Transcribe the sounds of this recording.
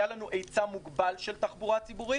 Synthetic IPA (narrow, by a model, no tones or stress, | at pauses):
jalanuʔe̞jt͡samuɡbalʃelt̪aχbuʁasibuʁi